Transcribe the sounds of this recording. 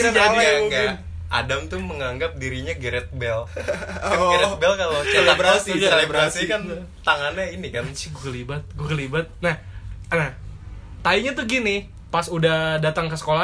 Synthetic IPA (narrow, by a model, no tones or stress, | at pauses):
d͡ʒaiaɡa | ʔa̰damt̪ʊməŋaŋɡap̚diɾiɲaɡəɾɛt̪̚bɛl | ɡɾɛtbɛlkalot͡ʃelebɾasielebɾasikan | t̪aŋanɲainikansiɡkəlibat̪̚ɡuakəlibat̪̚nahnah | t̪aiɲat̪uɡini | pasudahdat̪aŋkəsə̥kola